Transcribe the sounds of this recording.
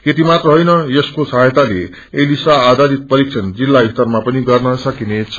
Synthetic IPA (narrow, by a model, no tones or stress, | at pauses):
ket̪imat̪rʌɦʌjnʌjeskosʌɦjt̪ale | elisaːd̪ʱadit̪̚pʌɾiksʰʌnd͡zilːabist̪ʌrmapʌniɡʌrnʌsʌkinet͡sʰʌ̥